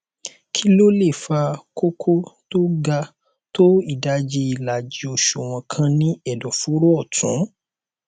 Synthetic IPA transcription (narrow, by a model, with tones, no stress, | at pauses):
kʰi˦lo˦le˦˨fa˧ko˦kʰo˦to˦ɡa˧ | to˦i˦˨da˨˦d͡ʒi˧i˨la˨d͡ʒi˧o˧ʃo˨w̃ɔ̃˧kʰã˧nĩ˦ɛ˦˨dɔ˨fu˦ɾo˦ɔ˦˨tʰũ˨˦